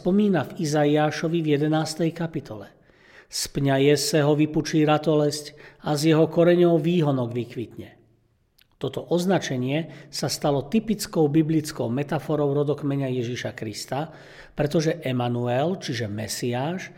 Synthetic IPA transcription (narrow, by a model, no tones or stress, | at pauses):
spɔmiːnavizaiaːʃɔʋivjɛd̪ɛnaːst̪ɛjkapit̪ʰɔlɛ | spɲajɛsɛɦɔʋiput͡ʃiːɾat̪ɔlɛscazjɛɦɔkɔɾɛɲɔʊʋiːɦɔnɔɡʋikʋit̪ɲɛ | t̪ɔt̪ɔʔɔznat͡ʃɛɲɪɛsast̪alɔt̪ipit͡skɔʊbiblit͡skɔʊmɛt̪afɔɾɔʊɾɔd̪ɔkmɛɲajɛʒiʃakɾist̪a | pɾɛt̪ɔʒɛʔɛmanuɛlt͡ʃiʒɛmɛsiaːʃ